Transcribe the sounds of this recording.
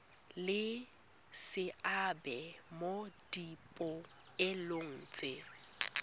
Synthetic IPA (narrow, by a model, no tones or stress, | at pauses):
lɪ | sɪabɛmod̥ipʼʊɪloŋ̩ːt͡sʼɪ